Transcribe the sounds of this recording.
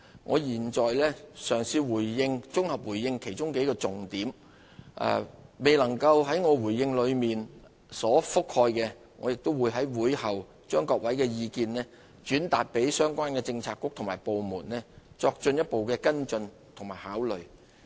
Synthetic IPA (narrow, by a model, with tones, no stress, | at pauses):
ŋʔɔː˨˧jiː˨˩nt͡ʃɔː˨jlɛː˥sœː˨˩ŋsiː˧wuː˨˩jːɪ˧ŋt͡sʊ˥ŋhɐ˨p̚wuː˨˩jːɪ˧ŋkʰe˨˩jt͡ʃʊ˥ŋke˨˥jkɔː˧t͡sʊ˨ŋt̪iː˨˥m | ʔɐ̰˨˧me˨˩jlɐ˨˩ŋkɐ˧wɦɐ˨˥jŋɔː˨˧wuː˨˩jːɪ˧ŋlɵ˨˧ɥmiː˨n | sɔː˨˥fʊ˥k̚hɔː˧jkɛː˧ | ŋɔ̰ː˨˧jɪ˨k̚t̪ʊ˥wuː˨˧jɦɐ˨˥jwuː˨˧jhɐ˨w | t͡ʃœː˥ŋkɔː˧k̚wɐ˨˥jkɛː˧jiː˧kiː˧nlɛː˥ | t͡ʃyː˨˥nt̪aː˨t̚pe˨˥jsœː˥ŋkʷaː˥nkɛː˧t͡sɪ˧ŋt͡sʰaː˧kːʊ˥k̚t̪ʰmaː˨˩jpo˨wmuː˨˩nɛː˥t͡sɔː˧k̚t͡ʃɵ˧njɐ˥t̚po˨wkɛː˧kɐ˥nt͡ʃɵ˧n | t̪ʰʊ˨˩ŋmaː˨˩jhaː˨˥wlɵ˨ɥ